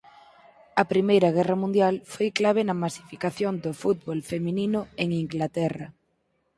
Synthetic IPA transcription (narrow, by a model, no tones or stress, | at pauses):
ɐpɾimejɾɐɣ̞ɛrɐmũnd̪jalfojklaβenɐmasi̥fikaθjoŋd̪ʊfut̪̚βolfemininʊeŋiŋɡlat̪ɛrɐ